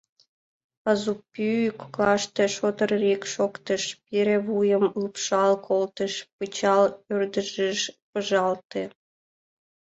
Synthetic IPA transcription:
ɑzupːyykklɑʃt̪eʃot̪ərrikʃokt̪əʃpiɾeβujəmupʃɑlkʰolt̪əʃpət͡ɕɑlørd̪əʒəʃpəʒɑlt̪e

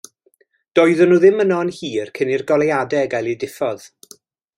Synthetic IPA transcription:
d̥ɔjðɔnuːðɪmənɔənhiːrkʰənirɡɔlˠɛjadɛɡalˠidɪfɔð̥

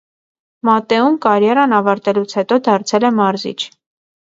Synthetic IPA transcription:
mɑt̪ɛumkɑɾjɑɾɑnɑvɑɾt̪ɛlut͡sʰhɛt̪ɔd̪ɑɾt͡sʰɛlɛmɑɾzḭt͡ʃʰ

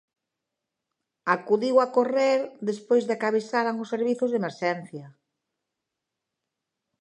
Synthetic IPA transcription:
akuðiwakoreɾðespojzðɪakaβesaɾaŋʊsːeɾβiθʊzðemeɾʃɛn̟θjɐ

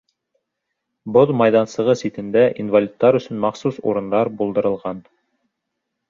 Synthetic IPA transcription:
boðˠmɑjðɑnsɤ̆ʁɤsit̪ɘ̆nd̪æʔinvalʲit̪ːɑɾɵ̆sɵnmɑχsusṵɾɤ̆nd̪ɑɾbulˠd̪ɤ̆ɾɤ̆lˠʁɑn

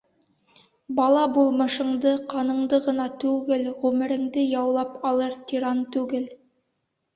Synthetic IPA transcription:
bɑlˠɑbulˠmɤ̆ʃɤ̆ɴd̪ɤqɑnɤ̆ɴd̪ɤʁɤ̆nɑt̪ʉɡɘlʁʉmɘ̆ɾɘ̆ŋd̪ɘjɑwlˠɑpɑlˠɤɾt̪ʲiɾɑnt̪ʉɡɘl

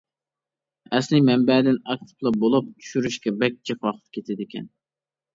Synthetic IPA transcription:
ɛslɪmɛmbɛːd̪ɪnɑk̚t̪ʰɨ̥plˠɑbolˠup̚t͡ʃ̪ʰy̥ʃyɾyʃkʲɛbɛk̚ʲt͡ʃʰiχwɑχə̥t̪̚kʲʰet̪ʰɪd̪ɪkʲʰɛn

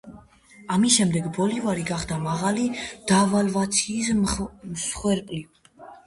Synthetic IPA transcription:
amisʃɛmd̪ɛɡbɔlivaɾiɡaχd̪amaʁalid̪̥aːvalvat̪sʰiːs̬msχwɛɾpʼli

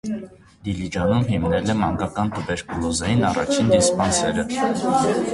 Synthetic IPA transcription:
d̪ilid͡ʒɑnumɦimnɛlɛmɑŋɡɑkɑnt̪ʰəbɛɾkulɔzɑjinɑrɑ̰t͡ʃʰind̪ispɑnsɛɾə

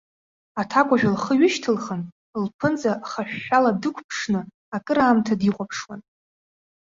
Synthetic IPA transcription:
atʰakʷʼaʒᶣalχəɥɪʃtʰɨlχən | lpʰɨnt͡sʼaχaʃᶣːaladɨkʷʰpʰʂnɨ | akʼɨɾaːmtʰadiqʷʼapʰʂwan

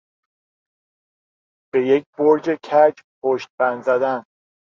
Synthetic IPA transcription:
b̥e̞jec̚ʰboɾd͡ʒe̞cʰæd͡ʒpʰoʃt̪̚bænzæd̪æn

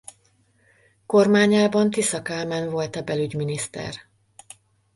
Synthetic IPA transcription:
ko̞rmaːɲaːbɒnt̪isɒkaːmɛnvo̞lt̪ɒbɛlyɟminist̪ɛ̰r

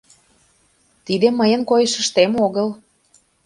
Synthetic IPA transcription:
t̪id̪eməjə̆nkojə̆ʃə̆ʃt̪emoɣəl

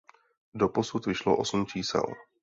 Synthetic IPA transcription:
doposut̪vɪʃlo̰ʔosm̩t͡ʃiːsɛ̰l

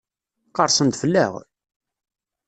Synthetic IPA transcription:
qɑɾˤsˤənd̪fəlːæ̰ʁ

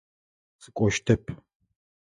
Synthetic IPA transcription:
sɨkʷʼɔʃtʰɐpʰ

